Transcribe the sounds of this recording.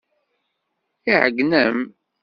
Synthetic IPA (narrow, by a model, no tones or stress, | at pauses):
iʕəɡnəm